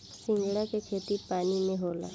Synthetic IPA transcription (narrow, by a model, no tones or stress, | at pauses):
sɪ̃ŋɡɽakekʰeːt̪ipaːninẽɦoːla̰